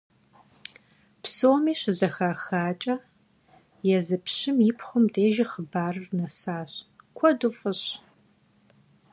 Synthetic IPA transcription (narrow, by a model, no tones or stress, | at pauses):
psoːmiːɕzɐxaːxaːt͡ʃʼɐ | jɛzɨpʰɕɪmjɪpʰχʷʊmdʰeːʒɐχəbaːrɨrnɐsaːɕkʷʰɔdʊfʼɨɕ